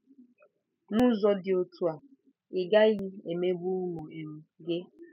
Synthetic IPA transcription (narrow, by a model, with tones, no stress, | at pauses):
nʊ˦zɔ˦dɪ˨o˨tu˦a˨ | ɪ˨ɡa˦ɣi˦e˨me˦bu˦nu˨i˨m̩˦ɡe˦